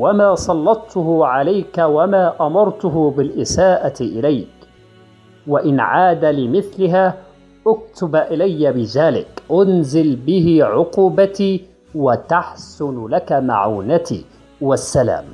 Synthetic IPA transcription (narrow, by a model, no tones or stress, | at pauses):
wamaːsˤɑlːɑt̪ːʊhʊʕalajkawamaːʔamɑɾˤt̪ʊɦʊbɪlʔɪsaːʔaʔɪlajk | waʔɪnʕaːd̪alɪmɪθlɪɦaː | ʔʊk̚t̪ʊbʔɪlajːabɪðaːlɪ̰kʔʊnzɪlbɪɦɪʕʊquːbat̪iː | wat̪aħsʊnlakama̰ʕuːnat̪ḭː | wasːala̰ːm